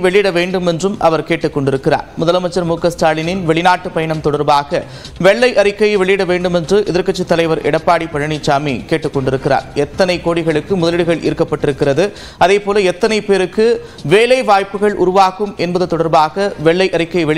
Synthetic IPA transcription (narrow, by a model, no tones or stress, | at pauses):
ʋɛɭɪjɪɽɐʋeːɳɖɯmɛndrɯmʔɐʋɐɾkeːʈːɯkːɔɳɖɪɾɯkːɪra̰ːɾmʊðɐlɐmɐt͡ʃːɐɾmuːkɐsʈaːɭɪnɪnʋɛɭɪnaːʈːɯpɐjɐɳɐmt̪ɔɽɐɾbaːɣɐ | ʋɛɭːɐɪʔɐɾɪkːɐjʋɛɭɪjɪɽɐʋeːɳɖɯmɛndrɯʔɪðɐɾkɐt͡ʃːit̪ːɐlɐɪʋɐɾʔɛɽɐpːaːɽipɐɻɐɳɪt͡ʃːaːmeːkeːʈːɯkːɔɳɖɪɾɯkːɪra̰ːɾɛt̪ːɐnɐɪkoːɽɪɣɐɭɯkːɯmʊðɐlɪɽɯɣɐɭɪ̰ɾɯkːɐpːɐʈːɪɾɯkːɪrɐðɯ | ɐðeːpoːlɐɛt̪ːɐnɐɪpeːɾɯkːɯ | ʋeːlɐɪʋaːjpːɯɣɐɭʔʊ̰ɾʊʋaːɣɯmɛnbɐðɯt̪ɔɽɐɾbaːɣɐʋɛɭːɐɪʔɐɾɪkːɐjʋɛɭ